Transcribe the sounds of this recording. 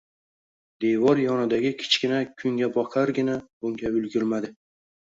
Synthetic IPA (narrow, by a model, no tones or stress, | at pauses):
d̪evɒɾjɒnɪd̪aɡʲɪkʲʰɪ̥t͡ʃkʲɪnakʲʰʊŋɡʲabɒqʰaɾɡʲɪnabʊŋɡʲaʊlɡʲʊɾmad̪ɪ